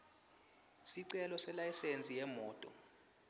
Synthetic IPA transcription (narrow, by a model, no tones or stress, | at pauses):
siǀɛlɔsɛlajisent͡sʼijɛmɔːtʼɔ